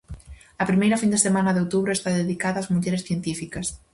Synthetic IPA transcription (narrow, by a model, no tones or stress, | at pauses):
ɐpɾimejɾɐfind̪esemãnɐðeowt̪uβɾʊest̪aðeðikaðɐaːzmuʎeɾesθjent̪ifikɐs